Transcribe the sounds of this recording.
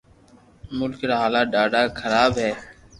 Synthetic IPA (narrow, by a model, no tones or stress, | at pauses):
mʊlkɾaːɦaːlaːɖaːɖaːkʰəɾaːbɦɛː